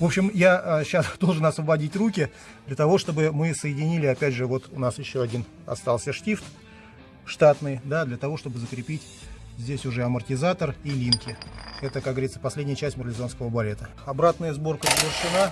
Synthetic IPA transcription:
vo̞pɕːɪmjaəɕːasd̪o̞lˠʐɨnɐsvəbɐdʲitʲrukʲɪ | d̪lʲət̪ɐvo̞ʂt̪o̞bɨmɨsəjɪdʲɪnʲilʲɪɐpʲædʲʐɨvo̞t̪ʊnasjɪɕːoɐdʲin | ɐ̰st̪alˠsʲəʂtʲift̪ | ʂt̪at̪nɨjd̪ad̪lʲət̪ɐvo̞ʂt̪o̞bɨzəkɾʲɪpʲitʲ | zʲdʲesʲʊʐɛɐmərtʲɪzat̪ərilʲimkʲɪɛt̪əkakɡəvɐɾʲit̪səpɐsʲlʲedʲnʲjət͡ɕæsʲtʲmʲɪɾlʲɪzo̞nskəvəbɐlʲe̞t̪ə | ɐbɾat̪nəjəzbo̞rkəzəvʲɪrʂɨna

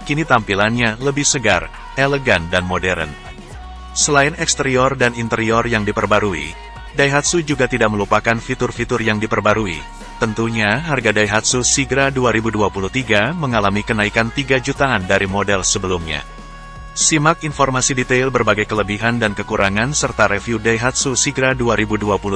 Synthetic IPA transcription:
kinit̪ampilanɲaləbɪhsəɡa̰r | eləɡandanmodɛɾə̰n | səlaɪnɛkst̪əɾiɔrdanint̪əɾiɔrjaŋdipərbaɾuḭ | daiɦat̪̚sud͡ʒuɡat̪idaʔ̚məlupakanfit̪ʊrfit̪ʊrjaŋdipərbaɾuḭ | t̪ənt̪uɲaɦarɡadajɦat̪̚susiɡɾaduaɾibuduapuluht̪iɡaməŋalamikənaikant̪iɡad͡ʒut̪aːndaɾimodɛlsəbəlumɲa̰ | simak̚infɔrmasidit̪ailbərbaɡajkələbiɦandankəkuɾʔaŋansərt̪aɾefjudajɦat̪̚susiɡɾaduaɾibuduapulu

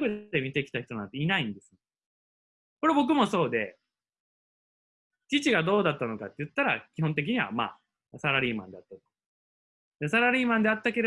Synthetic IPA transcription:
kɯd̪emʲit̪ekʲi̥t̪açit̪o̞nãnt̪einaĩnd̪e̞sɨ̥ne | ko̞ɾe̞bo̞k̬ɯ̟mo̞so̞ːd̪e̞̰ | t͡ɕit͡ɕiɡad̪o̞ːd̪at̪ːano̞kat̪ːejɯ̟t̪ːaɾa̰kʲihõnt̪̬e̞k̬ʲiɲ̟iβa̰ma̰ː | saɾaɾʲiːmã̰nd̪e̞at̪ːat̪o̥ | d̪esaɾaɾʲiːmãnd̪e̞at̪ːake̞ɾe

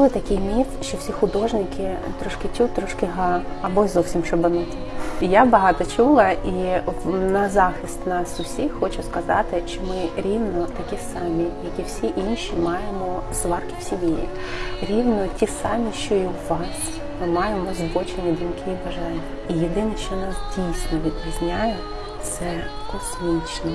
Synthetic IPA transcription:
bʊlˠɪt̪ɐkʲɪjmʲifʃt͡ʃɔwsʲixʊd̪ɔʒnɪkɪt̪ɾɔʃkɪtʲut̪ɾɔʃkɪɦɑɐbɔzɔwsʲimʃɔbɐnɔtʲiijabɐɦɑt̪ɔt͡ʃulˠɐi | nɐzɑxʲist̪nɑsʊsʲixxɔt͡ʃʊskɐzɑ̰t̪ɪʃt͡ʃt͡ʃɔmɪɾʲiwnɔt̪ɐkʲisɑmʲijɐkʲiwsʲiʔinʃʲimɑjemɔzʋɑrkʲiwsʲimʲiji | ɾʲiwnɔtʲisɑmʲiʃt͡ʃɔiʋɑsʲ | mɪmɑjemɔzʋɔt͡ʃenʲːid̪umkɪibɐʒɑnʲːɐijed̪ɪnɛʃt͡ʃɔnɑsdʲijsʲnɔʋʲid̪pʲizʲnʲajɛ | t̪sɛkɔsmʲit͡ʃnɔ

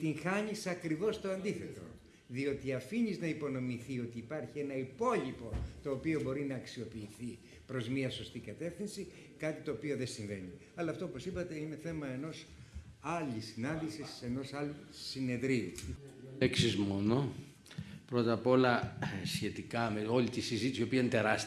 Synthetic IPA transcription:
t̪iŋxɐɲisɐkɾivo̞st̪o̞ɐnd̪iθe̞t̪o̞̰ | ðio̞t̪iɐfiɲiznɐipo̞no̞miθio̞t̪iːpɐɾçie̞nɐipo̞ʎipo̞t̪o̞ːpio̞bo̞ɾinɐːksio̞piːθi | pɾo̞zmiɐso̞st̪ikɐt̪e̞fθinsi | kɐt̪it̪o̞ːpio̞ðesĩɱve̞̰ɲi | ɐlɐːft̪oopo̞sipɐt̪e̞ine̞θe̞mɐe̞no̞s | ɐlisːinɐnd̪isise̞no̞sɐlusine̞ndɾiu | eksizmo̞no̞ | pɾo̞t̪ɐpo̞lɐsçe̞t̪ikɐmeo̞lit̪isizit̪isio̞piɐnt̪eɾɐs

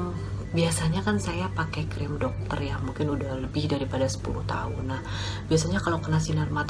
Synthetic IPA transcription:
biasaɲakansajapakɛkɾɪmdɔk̚t̪ərjamuŋkɪnudahləbɪhdaɾipadasə̥pṵluht̪a̰ʊ̰nːah | biasaɲakalokənasinərmat̪

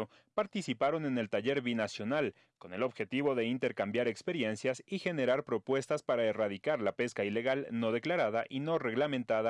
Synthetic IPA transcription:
o | paɾt̪isipaɾo̞ne̞ne̞lt̪aʝe̞ɾβinasjo̞nal | ko̞ne̞lo̞βxe̞t̪iβo̞ðe̞int̪e̞ɾkambjaɾe̞kspe̞ɾje̞nsjasixe̞ne̞ɾaɾpɾo̞pwe̞st̪aspaɾaeraðikaɾlape̞skaile̞ɣalno̞ðe̞klaɾaðaʔino̞re̞ɣlamẽ̞nt̪aða

